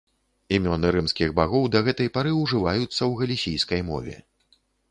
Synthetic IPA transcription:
imʲɔnɨɾɨmskʲiɣbaɣɔwd̪ɐɣɛt̪ɐjpaɾɨwʐɨvajut̪sːɐwɣɐlʲisʲijskɐjmɔ̰vʲɛ̰

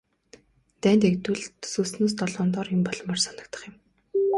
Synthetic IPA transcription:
t̪æːnt̪ekt̪wɘ̆ɮt̪ʰsuːsnoːs̬t̪ɔɮɔːnt̪ɔːrɪ̆mpɔɮɞ̆mːɔrsanə̆k̚t̪ə̆χjə̆m

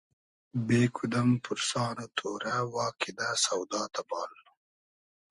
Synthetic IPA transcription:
beːkʰʊd̪ampʰʊɾsɑːnat̪ʰoːɾawɑːkɪd̪asawd̪ɑːt̪abɑːl

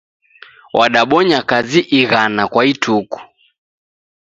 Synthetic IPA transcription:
wʔaɗaɓɔɲakaziʔiɣanakwaitʰuku̥

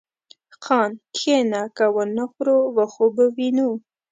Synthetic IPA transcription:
xɑːnkʰenakawənəxɾowaxobəwinu

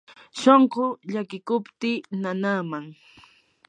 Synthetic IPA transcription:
ʃoɴqoʎakɪkʊpt̪ɪnanaːmaŋ

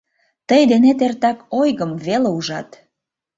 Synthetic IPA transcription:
t̪əjd̪enet̪ert̪ɑkojɣəmβeleuʒɑt̪

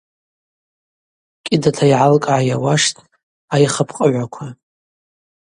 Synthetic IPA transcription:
kʲʼɪdatʰaiʕalkʼʕajawaʂtʰʼ | ajχapʰqʼəʕʷakʷʰa

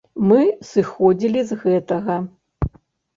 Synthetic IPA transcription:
mɨsɨxɔd͡zʲilʲizɣɛt̪ɐɣɐ

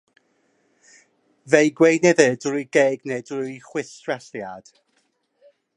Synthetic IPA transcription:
vejɡwejnɛðɛdijɡeːɡnedjχwɪθrɛɬjad̥

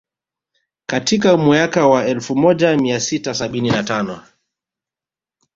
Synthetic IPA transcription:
katikamuakawaɛlfumɔʄamiasitasaɓininatanɔ

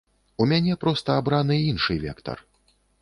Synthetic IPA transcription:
umʲanʲɛpɾɔst̪ɐabɾanɨinʂɨvʲɛ̰kt̪ɐ̰r

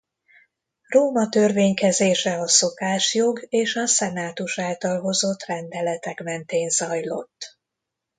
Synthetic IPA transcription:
roːmɒt̪ø̞rveːɲkɛzeːʃɛɒso̞kaːʃjo̞ɡeːʃɒsɛnaːt̪uʃaːlt̪ɒlɦo̞zo̞t̪rɛnd̪ɛlɛt̪ɛkmɛnt̪eːnzɒjlo̞t̪ː

